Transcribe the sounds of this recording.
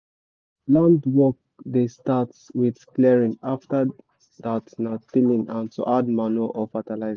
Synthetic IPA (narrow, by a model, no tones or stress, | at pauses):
lãndwɔk̚destatswidklɛɹĩnaftə | ðatnatilĩnãnso̰ʔadmanuaʔɔfatalaɪz